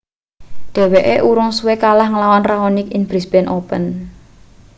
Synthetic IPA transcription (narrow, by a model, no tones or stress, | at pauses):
ɖ̪̥e̤weʔeʔuɾʊŋsuwekalahŋəlawanraonɪkinbɾisb̥ɛnʔopə̰n